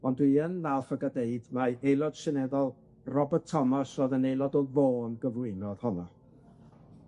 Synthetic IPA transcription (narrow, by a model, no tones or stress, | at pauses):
ɔndwiənːalˠfəɡadeɨdmaejlˠɔd̥ʃɪnɛðɔlˠ | rɔbətʰɔmasɔðənejlˠɔdɔvoːnɡəvlɪɨnɔð̥hɔnɔ